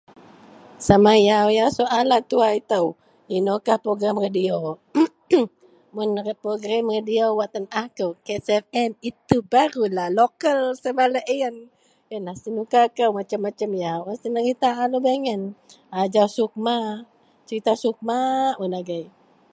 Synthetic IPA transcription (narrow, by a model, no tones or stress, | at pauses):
samajawjawsoʔalat̪uait̪əw | inokahpɾoɡɾamradio | munrət̪̚pɾoɡɾamradiowat̪ənahkəwkesɛfɛmit̪ubaɾulalokəlsamaləʔən | jənahsənukakəwmat͡ʃəmːat͡ʃəmjawast̪ənarit̪aʔalobeŋən | ad͡ʒawsuk̚ma | t͡ʃəɾit̪asuk̚maʔmunaɡaj